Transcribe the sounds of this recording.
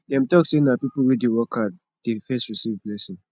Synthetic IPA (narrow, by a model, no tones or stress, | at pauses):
jãmtɔksẽnapipl̩widewɔkʰat̚ | d̥efɛstɹisivdlɛsĩn